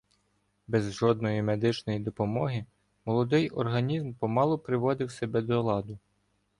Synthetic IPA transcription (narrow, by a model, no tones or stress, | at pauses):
bɛzʒɔd̪̚nɔjimed̪ɪt͡ʃnɔjid̪ɔpɔmɔɦɪ | mɔlˠɔd̪ɪjʔɔrɦɐnʲizmpɔmɑlˠɔpɾɪʋɔd̪ɪwsebɛd̪ɔlˠɑd̪ʊ